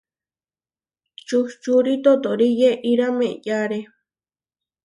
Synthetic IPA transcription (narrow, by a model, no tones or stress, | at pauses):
t͡ʃuht͡ʃuɾit̪ot̪oɾijeʔiɾamẽʔjaɾe